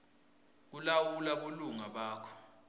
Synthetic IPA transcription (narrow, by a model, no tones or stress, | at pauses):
k̬ulawulaɓoluŋaɓaːkʰɔ̥